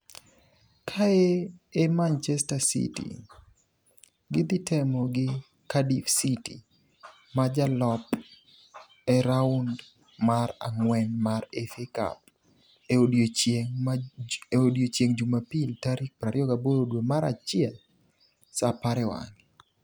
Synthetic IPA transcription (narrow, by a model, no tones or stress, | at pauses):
kʰaeemant͡ʃɛstasḭtḭ | ɡɪd̪ɪtʰɛmɔɡɪ | kadifsitḭ | mad͡ʒalɔp | ɛɾaund | maɾa̰ŋwɛnmaɾefeka̰p̚ | eodjot͡ʃeŋ | odjot͡ʃjeŋd͡ʒumapiltaɾik̚pɾaɾɪɔɡaboɾodwomaɾa̰t͡ʃjɛl | sapaɾɛwa̰ŋɪ